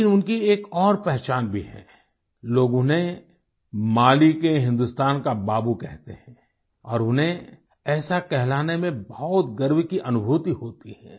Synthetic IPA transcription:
ɪnʊnkieːkɔːɾpɛɦt͡ʃaːnbʱiɦɛ̰̃ː | loːɡʊ̃nɦẽ | maːlikeɦɪ̃nd̪ʊst̪aːnkabaːbukɛɦt̪eɦɛ̃ | ɔ̰ːɾʊnɦẽ | ɛːsakɛɦlaːnemẽbɔt̪ɡɐɾwkiʔɐnʊbʱuːt̪iɦoːt̪iɦɛ̃ː

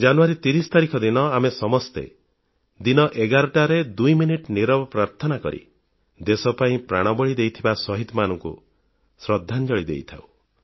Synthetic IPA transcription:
d͡ʒanuaɾit̪iɾist̪aɾikʰɔd̪inɔamesɔmɔst̪ḛ | d̪inɔʔeɡaɾɔʈaɾed̪ujminiʈniɾɔbɔpɾaɾt̪ʰɔnakɔ̰ɾḭ | d̪esɔpaĩpɾa̰ɽ̃ɔbɔɭid̪ejt̪ʰibasɔɦit̪ɔmanɔŋkṵ | sɾɔd̪ʱːand͡ʒɔɭid̪ḛjt̪ʰa̰w

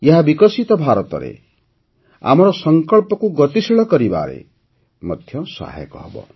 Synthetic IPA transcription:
jʌɦabikɔsit̪ɔbʱaɾɔt̪ɔ̰ɾḛ | a̰mɔɾɔsʌŋkɔɭpɔkuɡʌt̪isiɭɔkɔɾiba̰ɾḛ | mʌd̪ʱjʌsa̰ɦḛkɔɦɔbɔ̰

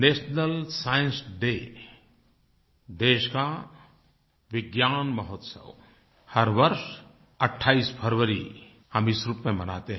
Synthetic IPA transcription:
neːsnəlsajə̃nsɖe | d̪eːʃka | ʋɪɡjaːnməɦɔt̪sə̰w | həɾʋəɾʃ | əʈʰːaːispʰəɾʋəɾi | həmisɾupmẽməna̰t̪eɦ

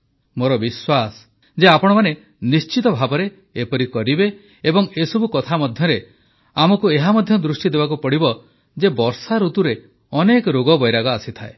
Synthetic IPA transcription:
moɾɔbiswas | d͡ʒeapɔɽ̃ɔmane | nist͡ʃit̪ɔbʱabɔɾe | epɔɾikɔɾibe | ebɔŋesɔbukɔt̪ʰamɔd̪ʱjɔɾe | amɔkueɦamɔd̪ʱjɔd̪ɾusʈid̪ebakupɔɽibɔ | d͡ʒebɔɾsaɾut̪uɾe | ɔnekɔɾoɡɔbɔjɾaɡɔasit̪ʰae

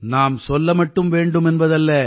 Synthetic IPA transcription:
naːmsɔlːɐmɐʈːɯmʋeːɳɖɯmɛnbɐðɐlːɐ

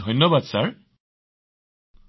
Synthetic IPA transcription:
ɔjnːɔbad̪saɹ

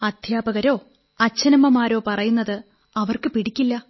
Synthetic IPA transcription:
ɐd̪̥ʱjaːbɐɣɐɾo̞ː | ɐt͡ɕːɐnɐmɐmaːɾo̞ːpɐrɐjunːɐðɨ | ɐʋɐrkɨpiɽikʲːilːɐ

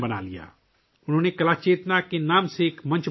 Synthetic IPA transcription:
bəna̰ːlija̰ː | ʊnɦõːnekɐlaːt͡ʃeːt̪nakenaːmsekmɐ̃nt͡ʃ

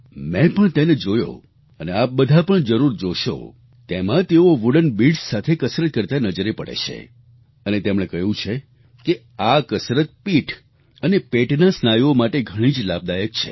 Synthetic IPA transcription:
mɛ̃pəɳt̪ened͡ʒojo̰ | əneap̚bəd̪ʱapəɳd͡ʒəɾuɾd͡ʒoʃo̰ | t̪emãt̪eoʋuɽənbiɖssat̪ʰekəsɾət̪̚kəɾt̪anəd͡ʒəɾepə̰ɽḛt͡ʃʰḛ | ənet̪emɽ̃ekəɦjũt͡ʃʰe | ke | akəsɾət̪̚piʈʰ | ənepeʈnasnajomaʈeɡʱəɽ̃ĩd͡ʒlab̚d̪ajək̚t͡ʃʰḛ

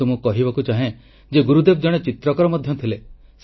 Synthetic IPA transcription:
umũkɔɦibakut͡ʃaɦẽ | d͡ʒeɡuɾud̪ebd͡ʒɔɽ̃et͡ʃit̪ɾɔkɔɾɔmɔd̪ʱjɔt̪ʰile | s

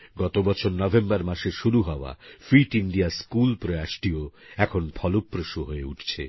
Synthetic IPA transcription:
ɡɔt̪obɔt͡ɕʰoɾnɔbʱembaɾmaʃeʃuɾuɦɔoa̰fɾiʈiɳɖiaskulpɾoeaʃʈioɛkʰonpʰɔlopːɾoʃuɦoeuʈʰt͡ɕʰḛ

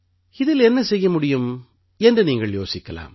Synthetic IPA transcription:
ɪðɪlɛnːɐsɛjːɐmʊɽɪjɯm | ɛndrɯniːŋɡɐɭjoːsɪkːɐla̰ːm

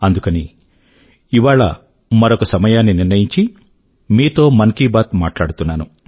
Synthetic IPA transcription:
ɐnd̪ukɐni | iʋaːɭɐ̰ | mɐɾo̞kɐsɐmɐjaːnːiniɾnɐjiɲt͡ʃi | miːt̪o̞ːmɐŋkiːbaːt̪maːʈlaːɽut̪unːaːnu

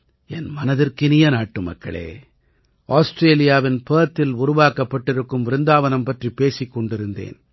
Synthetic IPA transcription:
ɛnmɐnɐðɪrkɪnɪjɐnaːʈːɯmɐ̰kːɐ̰ɭḛː | ʔaːsʈɾeːlɪjaːʋɪnpeːt̪ːɪlʊɾʊʋaːkɐpːɐʈːɪɾɯkːɯmʋɪɾɯnd̪aːʋɐnɐmpɐʈripeːsikːɔɳɖɪɾɯnd̪ḛːn

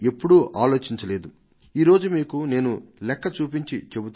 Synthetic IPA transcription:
e̞pːuɽuʔaːlo̞ːt͡ʃiɲt͡ʃɐle̞ːd̪u | iːɾo̞ːd͡ʒumiːkune̞ːnulɛkːɐt͡ʃuːp̬iɲt͡ʃit͡ʃe̞but̪

